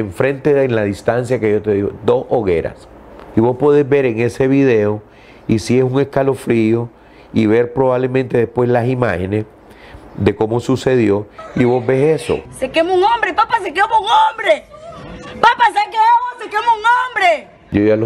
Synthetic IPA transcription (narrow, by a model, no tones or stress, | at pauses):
eɱfɾe̞nt̪enlaðist̪ansjake̞ʝo̞t̪e̞ðiɣo̰d̪o̞soɣe̞̰ɾa̰s | iβo̞spo̞ðezbe̞ɾeŋe̞se̞βiðe̞o | isiesuŋe̞skalo̞fɾio̞ | iβe̞ɾpɾo̞βaβle̞mẽnt̪e̞ðehpwe̞slasimahe̞ne̞s | ðe̞ko̞mo̞suse̞ðjo̞iβo̞zbe̞seso̞̰sekemuŋombɾepapasekemouŋombɾe | papas̬ekeemosekemuŋombɾe | jojalo